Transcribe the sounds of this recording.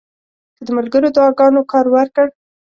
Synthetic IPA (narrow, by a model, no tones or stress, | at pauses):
kəd̪əmalɡəɾod̪ɑɡɑnokɑɾwaɾkəɽ